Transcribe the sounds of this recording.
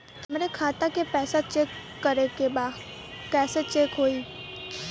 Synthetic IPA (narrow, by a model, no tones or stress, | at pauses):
t̪əmɾekʰaːt̪akepɛːsat͡ʃeːkː | əɾekebaː | kɛːset͡ʃeːkɦoːiː